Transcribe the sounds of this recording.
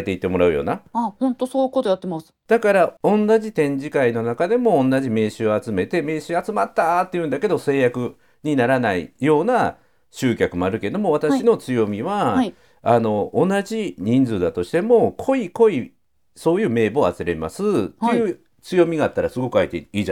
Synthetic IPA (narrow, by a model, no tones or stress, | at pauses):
et̪e̞it̪ːe̞mo̞ɾaɯ̟jo̰ːnaahõnt̪osoːjikot̪ojat̪ːemasɨ̥d̪̥akaɾaõ̞nːaʑit̪ẽ̞ɲ̟d͡ʑikaino̞nakad̪e̞mõ̞ːnːaʑime̞ːɕɨːoat͡sɨme̞t̪e̞me̞ːɕɨːat͡sɨmat̪ːat̪ːejɯ̟̃nd̪ake̞d̪o̞se̞ːjakɯ̟ | ɲ̟inaɾanaḭjo̞ːna | ɕɨːkʲakɯ̟mo̞aɾɯ̟ke̞d̪o̞mo̞β̞at̪aɕino̞t͡sɨjo̞mʲiβa | ano̞ʔːnaʑiɲ̟ĩnd͡zɨːd̪at̪o̞ɕi̥t̪emo̞kʰo̞iko̞i | so̞ːjɯ̟ːme̞ːbo̞a̰t͡sɨɾe̞ma̰sɨt̪ejɯ̟ː | t͡sɨjo̞mʲiɡaːt̪ːaɾasɨɡo̞kɯ̟ait̪ḛiː